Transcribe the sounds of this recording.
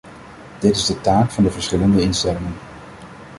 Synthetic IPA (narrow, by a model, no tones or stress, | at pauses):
d̥ɪtɪzdətaːkfɑndəvəɹsχɪləndəɪnstɛlɪŋən